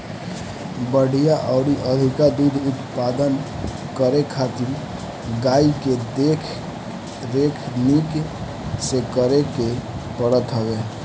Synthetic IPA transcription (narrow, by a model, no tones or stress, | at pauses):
bəɽ̤ijaʔɔʊɽiʔəd̪ʱikad̪ud̪ʱut̪pad̪ən | kəɾekʰat̪iɾ | ɡaiked̪ekʰ | ɾekʰnik | sekəɾeke | pəɽət̪ɦəɡe